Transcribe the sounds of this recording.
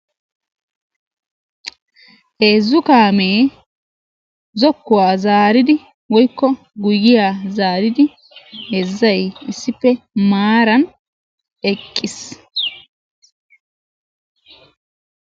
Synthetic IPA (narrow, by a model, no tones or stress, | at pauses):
ʔeːzːʊkaːmeː | zɔkːʊwaːzaːɾɪd̪ɪ | wɔjkːɔ | ɡʊjɪjaːzaːɾɪd̪ɪ | ɛzːɐjɪsːɪpːɛmaːɾɐn | ɛkʼːɪs